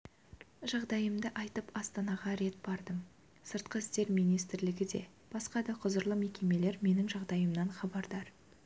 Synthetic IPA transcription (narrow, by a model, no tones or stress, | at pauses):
ʒɑʁd̪ɑjəmd̪əʔɑjt̪əpɑst̪ɑnɑʁɑɾe̞t̪̚bɑɾd̪əm | səɾt̪̚qəɪst̪e̞ɾmijnijst̪ɪɾlɪɡʲɪd̪e̞̰ | b̥ɑsqɑd̪ɑqʰʊzəɾlˠəme̞kʲe̞me̞le̞ɾme̞nɪŋʒɑʁd̪ɑjəmnɑnχɑbɑɾd̪ɑɾ